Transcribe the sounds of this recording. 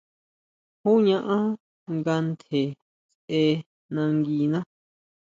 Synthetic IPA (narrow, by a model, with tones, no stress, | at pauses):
hu˦ɲã˦˧ʔã˦ | ŋɡa˧nt̪e˨ | sʔe˧ | nã˧ŋɡi˧nã˦